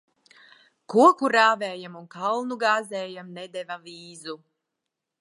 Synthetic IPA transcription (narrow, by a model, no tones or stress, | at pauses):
kuɔkuɾaːvɛːjamunkalˠnuɡaːzɛːjamnɛd̪ɛvaviːzu